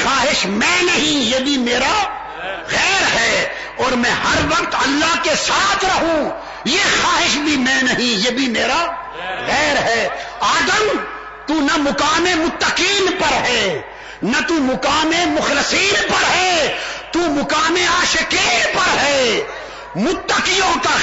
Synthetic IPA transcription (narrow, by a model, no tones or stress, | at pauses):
xaːɦɪʃmɛ̃ːnɐɦĩjeːbʱimeːɾa | ɣɛːɾɦɛː | ɔːɾmɛ̃hɐɾʋɐqt̪ɐlːaɦkesaːt̪ʰɾɐɦũ | jexaːɦɪʃbʱimɛ̃ːnɐɦĩjeːbʱimeːɾa | ɣɛːɾɦɛːaːd̪əm | t̪unɐmʊkaːmemʊt̪ːəkiːnpɐɾɦɛː | nɐt̪umʊkaːmemʊxlɪsiːnpɐɾɦɛːt̪uːmʊkaːmeaːʃɪkiːpɐɾɦɛː | mʊt̪ːəkijõka